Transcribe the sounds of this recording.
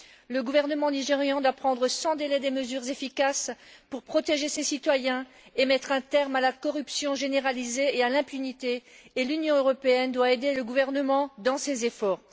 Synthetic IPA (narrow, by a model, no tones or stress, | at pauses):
ləɡuvɛʁnəmɑ̃niʒeʁjɑ̃d̪wapχɑ̃d̪ʁəsɑ̃d̪elɛd̪eməzyʁzefikaspuʁpχɔt̪eʒesesit̪wajɛ̃ | emɛt̪χɛ̃t̪ɛʁmalakɔʁypsjɔ̃ʒeneʁalizeealɛ̃pynit̪eːlynjɔ̃øʁɔpeɛnd̪waed̪eləɡuvɛʁnəmɑ̃d̪ɑ̃sezefɔːʁ